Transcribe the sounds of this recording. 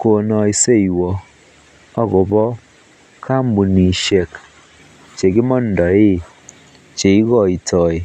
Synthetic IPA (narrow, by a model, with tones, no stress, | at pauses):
ko˨nɔ˨i˨se˦˨i˨wɔ˨ | ɔ˦ɡʊ˨bɔ˦ | kʰa˦m̩˦bu˨ni˨ʃe˨k | t͡ʃe˨ɡɪ˦mɔ˦n̩˨dɔ˨e˦ | t͡ʃe˨i˦ɡɔ˦˨i˨tɔ˨e˨